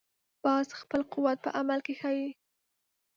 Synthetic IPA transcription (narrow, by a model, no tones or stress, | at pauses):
bɑsxpəlqʊwat̪̚pə̰ʔamalkexawi